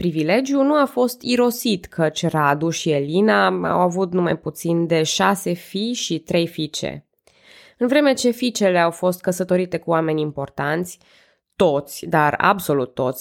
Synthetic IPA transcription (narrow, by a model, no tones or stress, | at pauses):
pɾivile̞d͡ʒjunuafo̞st̪iɾo̞sit̪kʰət͡ʃʲrad̪uʃie̞linaa̰wavut̪̚numa̰jput̪sind̪e̞ʃase̞fiʃit̪ɾe̞jfit͡ʃḛ | ɨnvɾe̞me̞t͡ʃe̞fit͡ʃe̞le̞awfo̞st̪̚kəsət̪o̞ɾit̪e̞kuame̞nʲimpo̞rt̪ant̪sʲ | t̪o̞t̪sʲd̪ara̰bso̞lut̪ːo̞t̪sʲ